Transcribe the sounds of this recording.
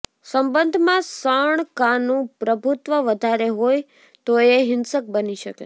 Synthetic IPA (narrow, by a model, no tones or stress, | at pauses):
səmbənd̪ʱmãsəɳkãnũpɾəbʱut̪ʋəʋəd̪ʱaɾeɦoj | t̪oeɦɪnsək̚bəniʃəkḛ